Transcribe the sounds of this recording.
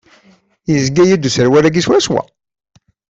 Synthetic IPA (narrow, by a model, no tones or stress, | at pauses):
jəzɡæjid̪usəɾwæɾæɡiswæswæ̰